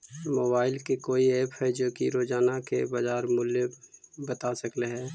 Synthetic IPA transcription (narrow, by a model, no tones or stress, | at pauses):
moːbaːɪlkekoːieːphɛd͡ʒoːkiɾoːd͡ʒaːnakebaːd͡ʒaːɾmʊljebət̪asəkleɦɛː